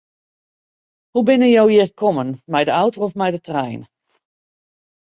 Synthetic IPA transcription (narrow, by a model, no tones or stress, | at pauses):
hubɪnəjowjɪəkʰɔmənmɛjdəawtowɔfmɛjdətrɛjn